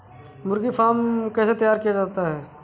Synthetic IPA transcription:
mʊɾɡifʰaːmkɛːset̪ɐjaːɾkijad͡ʒaːt̪aɦɛː

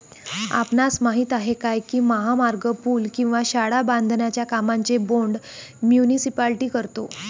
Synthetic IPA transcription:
a̰pnat͡smaɦiːt̪aɦekajkiːməɦamaɾɡəpuːlkĩw̃ʋaɕaɽabãnd̪ʱnjat͡ɕjakamaɲt͡seboɳɖmjunisipalʈiːkəɾt̪o

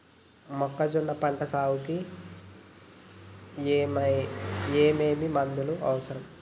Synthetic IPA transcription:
mɔkːɐd͡ʒunːɐpɐɳʈɐsaːwuki | m | eːmeːmimɐnd̪uluʔɐ̰ʋɐsɐɾɐm

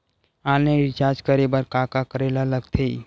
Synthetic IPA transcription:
aːleɾt͡ʃaːd͡ʒkəɾebəɾkaːkakəɾeːlaləɡt̪ʰe

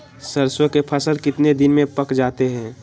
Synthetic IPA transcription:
səɾswəkepʰəsəlkɪt̪ned̪ɪnmẽpəkd͡ʒaːt̪eɦɛ̃ː

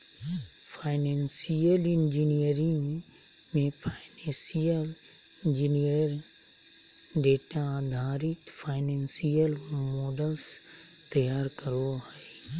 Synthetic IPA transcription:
pʰaːɪnensijəlɪnd͡ʒinijəɾɪ̃ŋ | mẽpʰaɪnẽsijəl | ɪ̃nd͡ʒinijəɾ | ɖeːʈad̪ʱaːɾɪt̪pʰaːɪnensijəlmɔːɖəls | t̪əjaːɾkəɾoɦɛi

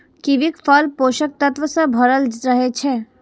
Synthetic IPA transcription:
kiʋikfəlpoːʃək̚t̪ət̪ʋəsebʱɐɾəld͡ʒɾəɦet͡ʃʰeː

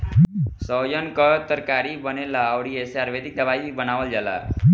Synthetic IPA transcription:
sɔjənkət̪əɾkaɾibənelaːʋɽieseaɾʋed̪ik̚d̪əbajibənaːʋəld͡ʒala̰

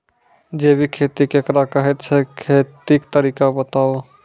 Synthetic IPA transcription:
d͡ʒebʱikʰet̪ikekɾakəɦɛt̪t͡ʃʰɛkʰet̪ikt̪əɾiːkabət̪aːo

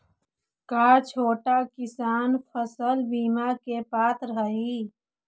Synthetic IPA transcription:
kaːt͡ʃʰoːʈakɪsaːnpʰəsəlbiːmakepaːt̪ʰɾəɦəɦiː

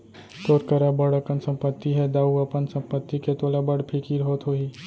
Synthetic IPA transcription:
t̪oːɾkəɾabəɽəkənsɐ̃mpət̪ːiɦɛd̪aːuɐpənsɐ̃mpət̪ːiket̪oːlabəɽpʰikiɾɦoːt̪ɦoːiː

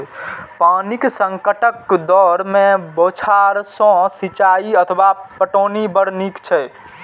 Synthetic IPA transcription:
paniksəŋkəʈəkd̪ɔɾmebot͡ʃʰaɾsɔ̃sit͡ʃaiət̪ʰwapəʈonibəɾnikt͡ʃʰɛ

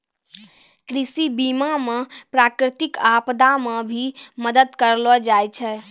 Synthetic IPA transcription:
kɾisibimamepɾakɾɪt̪ikapd̪amebʱiməd̪əd̪kəɾlɔd͡ʒajt͡ʃʰɛ

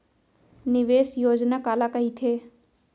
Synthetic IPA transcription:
nɪʋeːsjoːd͡ʒnakaːlakɐɦit̪ʰeː

